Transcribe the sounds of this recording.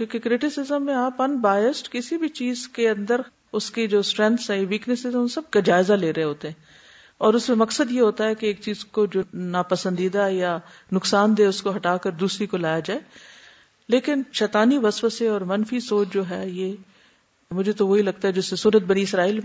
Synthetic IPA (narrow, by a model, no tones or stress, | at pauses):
kuːkekɾɪʈɪsɪzəmːẽaːpɐnbaːjɪsʈkɪsibʱit͡ʃiːzkeɐ̃nd̪əɾ | ʊskid͡ʒoːsʈɾɛ̃nt̪sɦɛ̃jeʋiːknɪsɪzɛ̃ʊ̃nsɐb̚kad͡ʒaːɪzaleːɾɐɦẽɦoːt̪eɦɛ̃ː | ɔːɾʊsmẽmɐksəd̪jeɦoːt̪aɦɛkeeːk̚t͡ʃiːzkod͡ʒoːnaːpɐsə̃nd̪iːd̪aja | nʊksaːnd̪eːʊskoɦɐʈaːkəɾd̪uːsɾikolaːjad͡ʒaːe | leːkɪnʃɛːt̪aːniʋɐsʋəseɔːɾmɐnfisoːt͡ʃd͡ʒoːɦɛːje | mʊd͡ʒʱet̪oʋoɦilɐɡ̚t̪aɦɛd͡ʒɪsːesuːɾət̪̚bɐɽ̃iɪsɾaːiːl